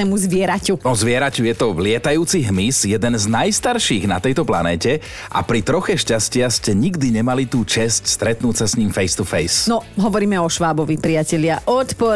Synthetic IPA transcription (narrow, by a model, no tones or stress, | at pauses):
ɛmuzʋɪɛɾacuɔzʋɪɛɾacujɛt̪ɔlɪɛt̪ajuːt͡siɦmisjɛd̪ɛnznajst̪aɾʃiːɣnat̪ɛjt̪ɔplanɛːcɛ | ʔa̰pɾit̪ɾɔxɛʃcascɪaxscɛɲiɡd̪iɲɛmalit̪uːt͡ʃɛscst̪ɾɛt̪nuːtsasɲiːmfɛjst̪ufɛjsnɔɦɔʋɔɾiːmɛɔʃʋaːbɔʋipɾiacɛʎɪaʔɔt̪pɔ